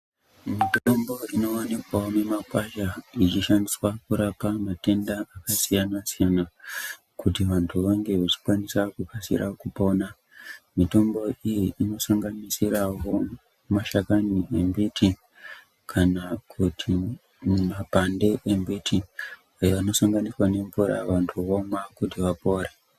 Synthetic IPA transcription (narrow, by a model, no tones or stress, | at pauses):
mitombo̞ino̞onikwaome̞makwaʃait͡ʃiʃaniswakuɾapamate̞ndaːkasijanasijana | kutiʋantʰuʋaŋɡe̞ʋat͡ʃi̥kwanisakukasḭrʔakupo̞na | mito̞mbo̞ijiʔino̞saŋɡanisiɾawo̞ | maʃakaniembitʰi | kʰanakʰutʰi | mapande̞ʔembitʰi | ajeʋano̞saŋɡaniswane̞ɱvuɾa̰ʋantʰuʋo̞mwakutiʋapo̞ːɾe